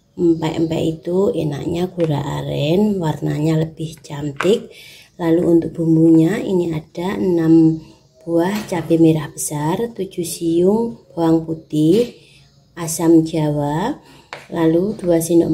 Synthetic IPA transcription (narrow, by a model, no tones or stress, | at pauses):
mpat̪mpɛ̰ʔit̪uena̰ʔɲaɡ̥uɾa̰ʔa̰ɾɛnwarnaɲaləb̥ɪht͡ʃamt̪ɪk̚ | laluunt̪ʊk̚b̥ṳmbuɲaḭniad̥aənam | b̥uaht͡ʃabimeɾahb̥ə̥sart̪u̥d͡ʒ̥ṳsijʊŋb̥awaŋput̪ɪh | asamd͡ʒawa | lalud̥uasino̰ʔ